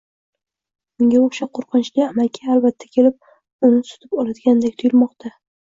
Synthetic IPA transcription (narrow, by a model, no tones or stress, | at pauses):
ʊŋɡʲaoʃaqʰoɾqʰɨnt͡ʃliamalkʲʰaalbat̪ʰːḁkʲʰe̞lɪp̚ | ʊnɪsʊ̥t̪ʰɪpɒlad̪ɪɡʲand̪ekʲt̪ʰʊjɪlmɒqt̪ʰa